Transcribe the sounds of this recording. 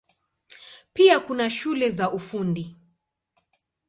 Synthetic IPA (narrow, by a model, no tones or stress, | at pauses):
piakunaʃulɛzaʔufundi